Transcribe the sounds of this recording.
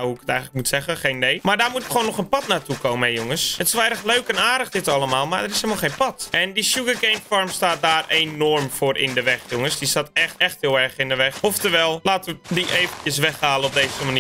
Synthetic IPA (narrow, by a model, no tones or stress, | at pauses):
huəkə̥tɛjxənləkmutsɛɣəxeːnːejmardaːrmutɪkxəʋoːnːɔxənpɑtnaːtukowməɛjʊŋəsətɪsolˠɛrəxløːkɛnaːdəxdɪtalˠəmaːlˠmardəɾɪselˠmalˠxejnpɑtʔɛndiʃjuɡəɡejnfɔrmstaːt̚daːreːnːɔrmfʊːɾɪ̰ndəʋɛxjʊŋəsdistaːtɛxtɛxthɪːlˠɛrxɪndəʋɛxɔftəʋɛlˠlaːtəʋədiʔeːvəncjəs̬ʋɛxhaːlənɔp̚deːzəmani